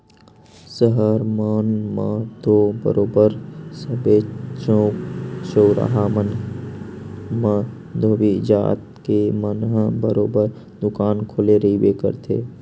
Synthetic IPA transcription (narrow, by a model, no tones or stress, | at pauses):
səɦəɾmənmət̪obə̰ɾoːbəɾsəbet͡ʃõːksoːɾa̰ɦamən | mə | d̪ʱoːʋid͡ʒa̰ːt̪̚kemənɦəbəɾoːbəɾ | d̪ʊkaːnkʰoːleɾəibekə̰ɾt̪ʰḛː